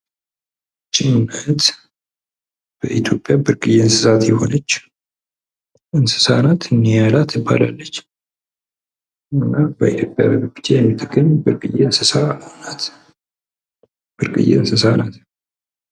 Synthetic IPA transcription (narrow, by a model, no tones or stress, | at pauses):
t͡ʃʼːɪnunːət̪ | b̥əʔit̪ʰjo̞pʼːjabɨɾkʼɨjeɨnsɨsat̪jɛho̞̰nət͡ʃː | ʔɨnsɨ̥sanat̪ɨnːijalat̪ʰɪbːa̰la̰lːət͡ʃː | ɨnːabəʔit̪ʰjo̞pʼja̰bəbɨbɨ̥t͡ʃ̪ʰejɛmːit̪ʼəkʼːəmbɨɾkʼɨjːeɨnsɨsanat̪ | b̥ɨɾkʼɨ̰jḛɨnsɨsanat̪